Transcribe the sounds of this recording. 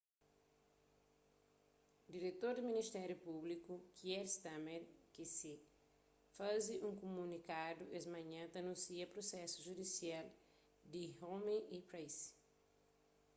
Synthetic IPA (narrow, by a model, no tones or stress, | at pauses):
d̪iɾet̪oɾd̪iminist̪ɛɾjupublikukiɛɾst̪ameɾkisi | faziũŋkumunikad̪uʔesmɐ̃ɲɐ̃t̪ɐnũnsiɐpɾosɛsuʒud̪isial | d̪ihomiʔipɾejs